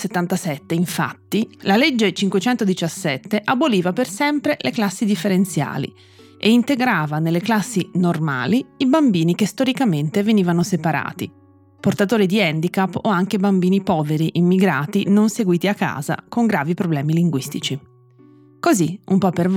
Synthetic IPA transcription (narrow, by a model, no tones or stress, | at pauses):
set̪ːant̪asɛt̪ːeiɱfa̰t̪ːilaled͡ʒːet͡ʃiŋkwet͡ʃɛnt̪od̪it͡ʃasːɛt̪ːeʔaboliːvapersɛmpɾeleklasːid̪ifːeɾent̪sja̰ːlḭ | ʔeint̪eɡɾaːvanelːeklasːinorma̰ːliibambiːnikest̪oɾikament̪eveniːvanosepaɾa̰ːt̪i | port̪at̪oːɾid̪iɛnd̪ikapːoaŋk̟ebambiːnipɔːveɾiʔimːiɡɾaːt̪inonseɡwiːt̪iakːa̰ːza̰koŋɡɾaːvipɾoblɛːmiliŋɡwist̪it͡ʃi | koziṵmpɔpːerv